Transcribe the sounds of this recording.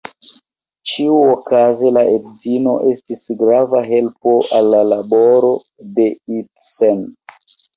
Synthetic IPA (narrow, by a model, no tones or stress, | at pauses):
t͡ʃiuokaze̞laʔedzino̞ʔe̞stisɡɾavaɦe̞lpo̞ʔalːalaboɾo̞ | de̞it | sen